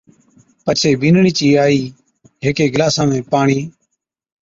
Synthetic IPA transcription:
pət͡ʃʰeːbiːnɳiːt͡ʃiːaːiː | ɦeːkeːɡəlaːsãːmẽːpaːɳiː

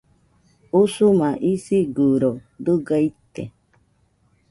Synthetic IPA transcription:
usumãʔisiɡuɾod̪ɨɡait̪ḛ

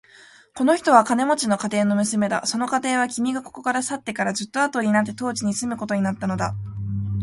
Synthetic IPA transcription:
ko̞no̞çi̥t̪o̞β̞akane̞mo̞t͡ɕino̞kat̪e̞ːno̞mɯ̟sɨme̞d̪a̰so̞no̞kat̪e̞ːβ̞akʲimʲiɡako̞̥ko̞kaɾasat̪ːe̞kaɾaʑɨt̪ːo̞at̪o̞ɲʲinat̪̬ːet̪o̞ːt͡ɕiɲ̟isɨmɯ̟ko̞t̪o̞ɲinat̪ːano̞d̪a

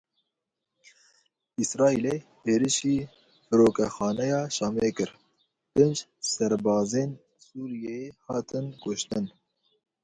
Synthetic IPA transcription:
isɾɑːileheːɾɨʃiː | fɨɾoːkɛxɑːnɛjɑːʃɑːmeːkɨɾ | pɪnd͡ʒsɛɾbɑːzeːn | suːɾijejehɑːt̪ʰɨnkʊʃt̪ɨn

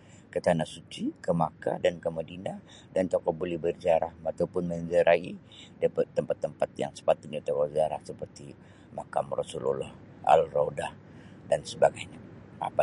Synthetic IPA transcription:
kət̪anasut͡ʃikəmaka̰dankəmədina | dant̪okɔʔ̚bolɛhbərd͡ʒaɾahmat̪awpʊnməɲd͡ʒəɾʔai | dəpət̪ːəmpat̪ːəmpat̪̚ja̰ŋsə̥pat̪ʊt̪̚ɲat̪ɔkɔʔd͡ʒaɾahsəpərt̪i | makamrasulṵlɔ̰h | a̰lrowdah | dansəbaɡajɲa | a̰pa

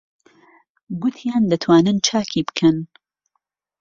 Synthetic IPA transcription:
ɡʊt̪ʰjaːnd̪ɐt̪ʰwaːnɨnt͡ʃʰaːkʰibɨ̥kʰɐn

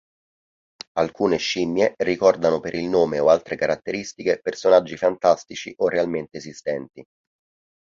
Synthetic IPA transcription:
alkuːneʃimːjerikɔrd̪anopeɾilnoːmeoalt̪ɾekaɾat̪ːeɾist̪ikepersonad͡ʒːifant̪ast̪it͡ʃiʔorːealment̪eːzist̪ɛnt̪i

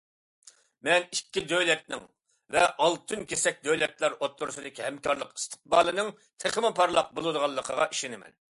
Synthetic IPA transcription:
mɛnikʲːid̪øjlɛt̪̚nɪ̰ŋ | vɛʔɑlˠt̪ʰɨnkʲʰesɛk̚ʲd̪øjlɛt̪lˠɑɾot̪ʰːuɾusɨd̪ɪkʲʰihɛmkʰɑɾlˠəqi̥st̪ʰə̥q̚bɑːlˠɨnɨŋ | t̪ʰeχmɨpʰɑɾlˠɑq̚bolˠɨd̪əʁɑlˠːəqʰəʁɑʔiʃinɪmɛ̰n

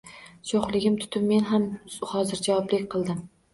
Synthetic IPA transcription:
ʃʰoχlˠɪɡʲɪmt̪ʰʊ̥t̪ʰɪpme̞nɦamhɒzɪɾd͡ʒavɒblɪkʲqʰɨlˠd̪ɪm

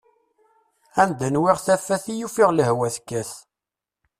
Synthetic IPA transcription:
ænd̪ənwiʁθæfæθijufiʁləhwæθkːæθ

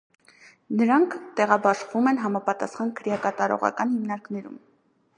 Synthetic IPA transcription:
nəɾɑŋkʰt̪ɛʁɑbɑʃvumɛnɦɑmɑpɑt̪ɑsχɑnkʰəɾjɑkɑt̪ɑɾɔ̰ʁɑ̰kɑnhimnɑɾknɛɾṵm

